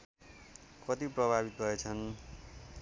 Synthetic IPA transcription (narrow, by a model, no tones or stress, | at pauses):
kʌt̪iprʌbʱabit̪̚bʱʌet͡sʰʌn